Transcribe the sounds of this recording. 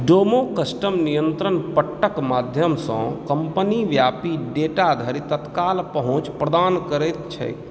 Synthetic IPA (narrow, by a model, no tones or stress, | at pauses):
ɖomokəsʈəmnijənt̪ɾənpəʈːəkmad̪ʱjəmsə̰̃kəmpəniʋjapiɖeʈad̪ʱəɾit̪ət̪kalpəɦõt͡ʃpɾəd̪ankəɾɛt̪t͡ʃʰɛ̰j